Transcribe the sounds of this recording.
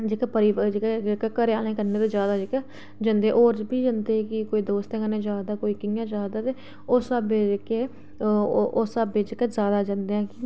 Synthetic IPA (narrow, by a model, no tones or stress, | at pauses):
d͡ʒɪkepəɾɪʋd͡ʒekːekekəɾeaːñẽːkəɾneːt̪oːd͡ʒjaːd̪aːd͡ʒɪkː | d͡ʒə̃nd̪ẽʔoːɾd͡ʒbiːd͡ʒãnd̪eːkɪkoːiːd̪oːst̪ẽːkənẽːd͡ʒaːd̪aːkoːiːkɪjãːd͡ʒaːd̪aːt̪eː | osabekeː | osabed͡ʒɪkezjaːd̪aːd͡ʒãnd̪eːãːki